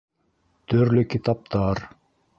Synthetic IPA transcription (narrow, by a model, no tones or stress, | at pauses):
t̪ʰɵɾlʏkʲit̪ɑp̚t̪ɑɾ